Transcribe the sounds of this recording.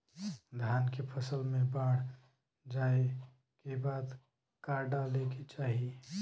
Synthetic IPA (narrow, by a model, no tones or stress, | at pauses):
d̪ʱjaːnkepʰəsəlmẽbaːɽ̤ | d͡ʒaːe | kebaːd̪ | kaːɾɖaleket͡ʃaːɦie